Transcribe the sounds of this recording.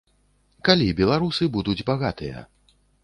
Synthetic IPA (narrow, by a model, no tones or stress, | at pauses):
kalʲibʲɛlˠaɾusɨbud̪ud͡zʲbaɣat̪ɨjɐ̰